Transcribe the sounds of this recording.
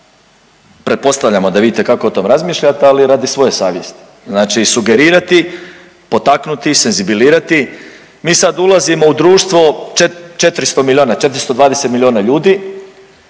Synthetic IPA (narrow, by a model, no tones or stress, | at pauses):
pɾet̪̚po̞st̪aʋʎamo̞d̪aʋid̪it̪e̞kakoot̪o̞mɾazmiːʃʎat̪ealiɾad̪isʋo̞je̞saːʋjest̪i̥ | znaːt͡ʃisuɡe̞ɾiːɾat̪i | po̞t̪aknut̪ise̞nzibiliːɾat̪i | miːsad̪ulˠazimo̞ud̪ɾuːʃt̪ʋo̞t͡ʃet͡ʃe̞t̪ɾist̪omilʲio̞ːnat͡ʃe̞t̪ɾist̪od̪ʋaːd̪e̞se̞t̪milʲio̞ːnaʎuːd̪i